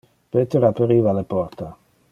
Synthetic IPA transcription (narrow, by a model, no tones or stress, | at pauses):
pet̪eɾapeɾiːvalepɔrt̪a